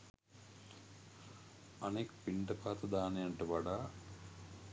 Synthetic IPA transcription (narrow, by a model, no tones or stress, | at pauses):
ɐneːkpiɳɖɐpaːt̪ɐd̪aːnejɐɳʈəʋɐɖaː